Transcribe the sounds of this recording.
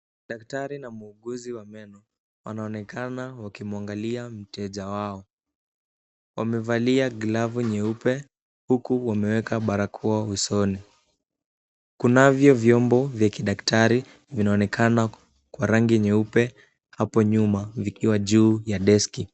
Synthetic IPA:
ɗaktaɾinamuuɠuziwamɛnɔ | wanaɔnɛkanawakimuaŋɡaliam̩tɛʄawaɔ | wamɛvaliaɡlavuɲɛupɛ | hukuwamɛwɛkʰaɓaɾakʰuausɔni | kunavjɔvjɔmbɔvjakiɗaktʰaɾi | vinaɔnɛkʰana | kwaɾaŋɡiɲɛupɛ | hapɔɲumavikiwaʄuːjaɗɛski

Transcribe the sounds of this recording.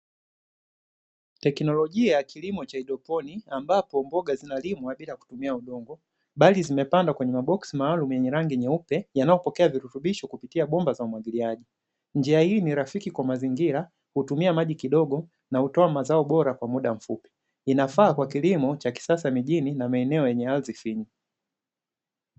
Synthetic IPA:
tɛknɔlɔʄiajakʰilimɔt͡ʃaiɗɔpɔniambapɔmbɔɡazinalimwaɓilaku̥tumiauɗɔŋɡɔ | ɓalizimɛpandakwɛɲɛmaɓɔksimaːlumujɛɲɛɾaŋɡiɲɛupɛjanajɔpɔkɛaviɾutuɓiʃɔkupitiaɓɔmbazaumwaɡiliaʄi | ɲd͡ʒiahiniɾafikikwamaziŋɡiɾa | hutumiamaʄikiɗɔɡɔ | nahutɔamazaɔɓɔɾakwamuɗam̩fupi̥ | inafaːkwakilimɔt͡ʃaki̥sasamiʄininamaɛnɛɔjɛɲɛalzifiɲi

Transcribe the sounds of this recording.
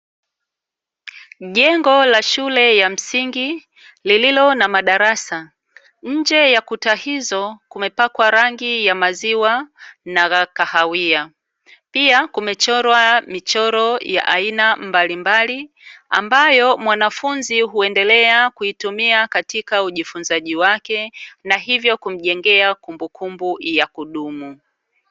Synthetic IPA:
ʄɛŋɡɔlaʃulɛjam̩siŋɡi | lililɔnamaɗaɾasa | ɲ̩d͡ʒɛjakutahizɔkumɛpakwaɾaŋɡijamaziwanaɣakahawia | piakumɛt͡ʃɔɾwamit͡ʃɔɾɔja̰ʔainambalimbali | a̰mbajɔmwanafunziɦuɛndɛlɛakuitumiakatikauʄifunzaʄiwakɛnaɦivjɔkum̩ʄɛŋɡɛakumbukʰumbujakuɗumu

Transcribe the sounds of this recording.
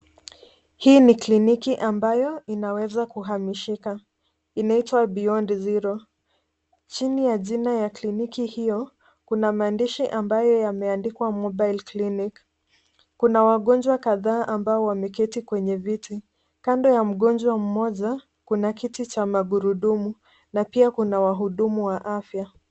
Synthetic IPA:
hiːniklinikiʔambajɔinawɛzakuɦamiʃika | inaitwabiɔndiziɾɔ | t͡ʃinijaʄinajaklinikihijɔ | kunamaːndiʃiʔambajɔjamɛandikwamɔɓajlklinik | kunawaɠɔnd͡ʒwakaðaːʔambaɔwamɛkɛtikwɛɲɛviti | kandɔjam̩ɠɔnd͡ʒwam̩mɔʄa | kunakitit͡ʃamaɠuɾuɗumu | napiakunawaɦuɗumuwaʔafja

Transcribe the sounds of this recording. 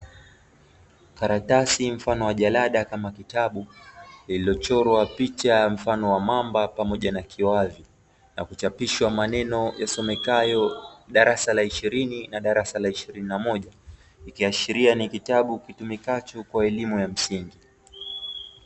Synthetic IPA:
kaɾatasim̩fanɔwaʄalaɗakamakitaɓuililɔt͡ʃɔɾwapit͡ʃam̩fanɔwamambapamɔʄanakʰiwavi | nakut͡ʃapiʃwamanɛnɔjasɔmɛkajɔɗaɾasalaiʃiɾininaɗaɾasalaiʃiɾininamɔʄa | ikiaʃiɾianikitaɓukitumikat͡ʃukwaɛlimujam̩siŋɡi

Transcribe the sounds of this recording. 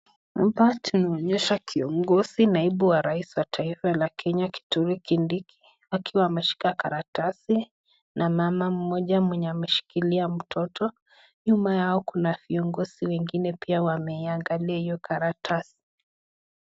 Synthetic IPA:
abatunaɔɲɛʃakʰiɔŋɡɔzinaiɓuwaɾaisiwatʰaifalakʰɛɲaki̥tuɾikindikʰi̥ | akiwaːmɛʃi̥kakaɾatasi | nʔamamam̩ːɔʄamwɛɲɛamɛʃi̥kiliam̩tʰɔtʰɔ | ɲumajaɔkunaviɔŋɡɔz̥iwɛŋɡinɛpiawamɛiaŋɡaliaijɔkʰaɾatʰasi̥

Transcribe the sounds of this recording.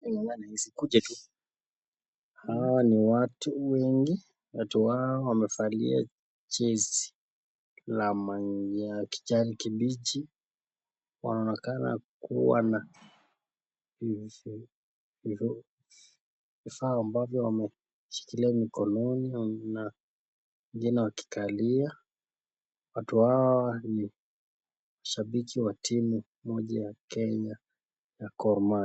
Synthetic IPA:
anihizikuʄatu | hawaniwatuwɛŋɡi | watuwawamɛfalḭa̰ | t͡ʃɛsi̥ | lamaɲd͡ʒaki̥t͡ʃaɾikiɓit͡ʃi | wa̰naɔnɛkana̰kuwa̰na | vi | vi | vifaːmbavjɔwamɛ | ʃi̥kiliamikɔnɔnina | ɛŋɡinɛwaki̥kʰalia | watuhawani | maʃaɓikʰiwatʰimu | mɔʄajakɛɲa | jakɔɾma

